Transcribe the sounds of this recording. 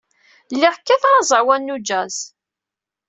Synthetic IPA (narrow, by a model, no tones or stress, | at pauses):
lːɪʁkːæθʁɑzˤəɾwænːud͡ʒæz